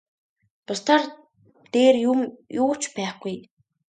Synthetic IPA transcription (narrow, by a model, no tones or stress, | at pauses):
t̪ʊst̪ʰar | t̪eːrjumjʊːt͡ɕpæːχɡuj